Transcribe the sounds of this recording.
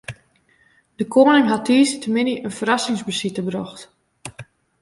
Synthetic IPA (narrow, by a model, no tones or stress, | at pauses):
d̥əkʰoːnɪŋɦatʰiːstəmɪniʔənfəɾɑsɪŋsbəsitəbrɔxt